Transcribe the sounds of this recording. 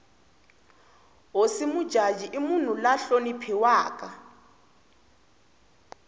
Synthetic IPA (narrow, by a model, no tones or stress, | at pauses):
osimud̥ʒ̥ʱḁʒ̥ʱiʔimun̤ulaɬonipʰiwaːk̬ʼa